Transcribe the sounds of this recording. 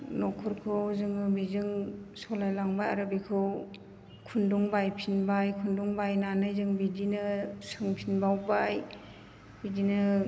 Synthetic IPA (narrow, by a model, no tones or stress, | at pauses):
nɔkʰɔɾkʰɯwzɯŋɯbizɯŋsɔlajlaŋbaja̰ɾɯbikʰɯw | kʰundɔŋbajpʰinbajkʰundɔŋbajnanɯjzɯŋbidinɯsɯŋpʰinbawbaj | bidinɯ